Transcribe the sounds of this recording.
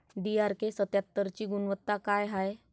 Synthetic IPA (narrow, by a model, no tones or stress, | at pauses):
ɖiaɾkesət̪jap̚t̪ːəɾt͡ɕiːɡunʋət̪ːakajɦaj